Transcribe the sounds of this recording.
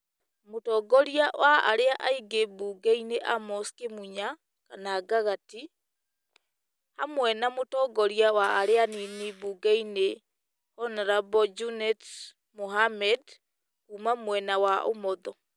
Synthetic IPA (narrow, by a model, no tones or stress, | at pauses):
motɔːɡɔɾiawaaɾeaʔaiɡebuɡaineʔamɔskemuɲa | kanaːɡaɣati | hamwɛnamotɔɡɔɾiawaːɾeaninibuɡaine | hɔnaɾabɔd͡ʒunɛt | moɦamɛd | kuːmamwɛnawaʔo̰mɔðɔ